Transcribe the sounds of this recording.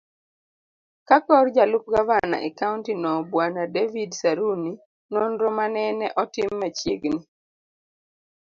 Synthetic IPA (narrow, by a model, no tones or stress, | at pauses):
kakɔrd͡ʒalʊp̚ɡavana̰ʔɛkaʊntinɔbwanadevidsaɾuni | nɔnɾɔmanɛnɛʔɔtɪmːat͡ʃjeɡni